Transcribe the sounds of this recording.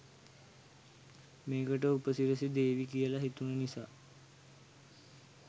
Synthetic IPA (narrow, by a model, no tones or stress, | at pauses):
meːkəʈ̬əupəsiɾəsid̪eːʋikijəlaɦit̪unənisaː